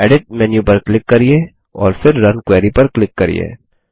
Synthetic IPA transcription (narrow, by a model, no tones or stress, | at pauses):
ɛːɖɪʈ̚mɛːnjupɐɾklɪkːɐɾieː | ɔːɾfɪɾːɐnkwɛːɾipɐɾklɪkːɐɾḭjḛː